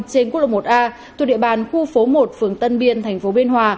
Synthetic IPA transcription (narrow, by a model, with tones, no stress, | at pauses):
t͡ɕe˧nku˦˥t̚lo˧˨˩mo˨˩t̚ʔaː˧ | u˨ɗḭ˧˨əɓaː˨˩nxu˧fo˨˦mo˨˩t̚fɨ˨˩əŋt̪ə˧nɓi˧ənt̪ʰa˨˩ŋ̟fo˨˦ɓi˧ənɦwaː˧